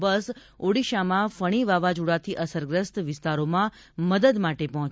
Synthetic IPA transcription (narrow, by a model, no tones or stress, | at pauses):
bəs | oɽiʃamãfəɽ̃iʋaʋad͡ʒuɽat̪ʰiʔəsəɾɡɾəst̪ʋɪst̪aɾomã | məd̪əd̪maʈepɔɦɔ̃t͡ʃ